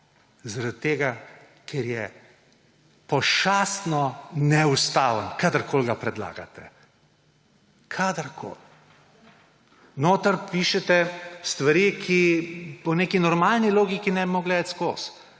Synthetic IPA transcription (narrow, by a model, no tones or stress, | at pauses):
zaɾad̪t̪eːɡa | kʰɛɾjɛ | pɔʃaːst̪nɔnɛust̪aːʋənkaːd̪əɾkʰoːlɡapɾɛd̪la̰ːɡa̰t̪ɛ | kʰad̪əɾkʰo̰ːl | noːt̪əɾpiːʃɛt̪ɛst̪ʋaɾiːkʰipɔneːkinɔɾmaːlniloːɡikinɛbimoɡlɛːd̪ət̪skoːs